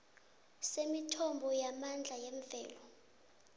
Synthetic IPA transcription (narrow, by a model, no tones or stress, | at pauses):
semitʰɔmbʱɔjamand͡ɮʱajɛɱvɛːlɔ